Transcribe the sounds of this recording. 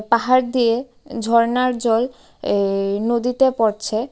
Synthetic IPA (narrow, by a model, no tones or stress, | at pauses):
paɦaɾd̪ije | d͡ʑʱɔɾnaɾd͡ʑɔl | nod̪it̪epɔɾt͡ɕʰe